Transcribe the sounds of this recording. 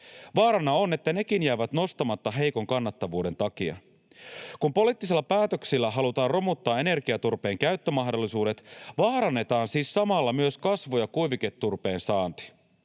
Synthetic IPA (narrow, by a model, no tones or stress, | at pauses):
ʋɑːɾɑnɑo̞ne̞t̪ːæne̞kinjæːʋæt̪no̞st̪ɑmɑt̪ːɑɦe̞jko̞ŋkɑnːɑt̪ːɑʋuːde̞nt̪ɑk̟iɑ̰ | kumpo̞liːt̪ːiselːɑpæːt̪øksilːæɦɑlut̪ɑːrro̞mut̪ːɑːe̞ne̞rkiɑt̪urpe̞ːŋkæyɥt̪ːømɑɦdo̞lːisuːde̞t̪ʋɑːɾɑnːe̞t̪ɑːnsiːsːɑmɑlːɑmyøskɑsʋojɑkujʋiket̪ːurpe̞ːnsɑːnt̪i̥